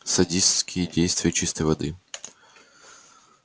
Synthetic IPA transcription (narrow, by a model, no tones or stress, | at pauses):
sɐdʲisʲtʲskʲɪjədʲejst̪vʲɪjət͡ɕist̪əjvɐd̪ɨ